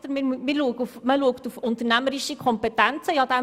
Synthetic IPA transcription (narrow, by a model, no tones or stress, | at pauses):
d̪̥əɾmɪːɾmmɪːɾluəɡufməluəktufʊntəɾnæməɾiʃikʰɔmpɛtænt͡səjɑd̪æ